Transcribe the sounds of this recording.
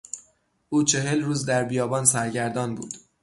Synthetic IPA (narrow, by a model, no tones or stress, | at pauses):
ʔuːt͡ʃʰe̞ɦe̞lɾuːzd̪æɾbijɒːbɒːnsæɾɟæɾd̪ɒːnbṵːd̪̥